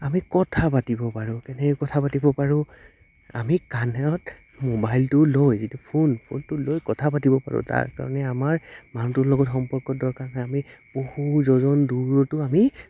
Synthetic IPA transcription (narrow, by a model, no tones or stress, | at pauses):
amikɔtʰapatibɔpaɹʊ̃kɛnɛɛkɔtʰapatibɔpaɹʊ̃ | a̰mikanɛɔt | mobajltʊlojzitupʰonpʰo̰ntʊlojkɔtʰapatibɔpa̰ɹʊ̰ta̰ɹka̰ɹɔ̰nɛamaɹmanutʊlɔɡɔtxɔmpɔɹkɔdɔɹkaɹɦɔjamib̥ohuzɔzɔnduɹɔtʊami